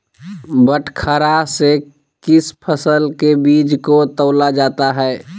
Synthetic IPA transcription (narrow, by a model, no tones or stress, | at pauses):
bəʈʰkʰəɾase | kɪspʰəsəlkebiːd͡ʒkot̪əʊlad͡ʒaːt̪aɦɛː